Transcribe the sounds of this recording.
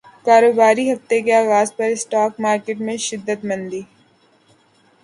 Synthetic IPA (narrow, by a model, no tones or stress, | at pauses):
kaːɾoːbaːɾiɦɐft̪ekeaːɣaːzpɐɾɪsʈaːkmaːɾkeːʈmẽʃɪd̪ːət̪mɐ̃nd̪iː